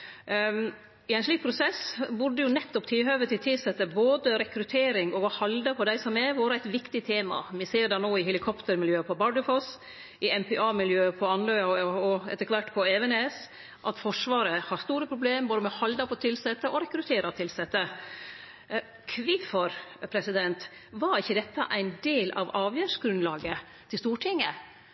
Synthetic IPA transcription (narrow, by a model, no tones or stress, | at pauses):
ɪɛnʂɭiːk̚pʰɾʊsɛsbʉɖːəjʊnɛt̪ːɔpt̪ʰɪlɦøːʋət̪ʰɪlt̪ʰɪlsɛt̪ːəboːd̪əɾɛkɾʉt̪ʰeːɾɪŋɔʋɑhɑld̪ɑpʰɔd̪æɪsɔmɛʋoːɾəæɪt̪ʋɪkt̪ɪt̪ʰeːmɑ̰mɪseːɾd̪ɛnoːɪɦɛlɪkʰɔpt̪əɾmɪljøːəpʰɔbɑɖəfɔs | ʔɪɛmpʰɛʔɑːmɪljøːəpʰɔɑnlœʏɑɔɛ̰t̪əkʰʋæʈpʰɔɛʋɛnes | ʔɑt̪fɔʂʋɑːɾəhɑɾst̪uːɾəpʰɾʊbleːmboːd̪əmɛhɑld̪ɑpʰɔt̪ʰɪlsɛt̪ːəʔɔɾɛkɾʉt̪ʰeːɾɑt̪ʰɪlsɛt̪ːə | kʰʋɪfɔɾpʰɾɛsɪd̪ɛnt̪ | ʋɑɾɪçːəd̪ɛt̪ːəʔæɪnd̪eːlʔɑ̰ʋɑːʋjæːʂɡɾʉnlɑːɡə | t̪ʰɪlst̪uːʈʰɪŋːə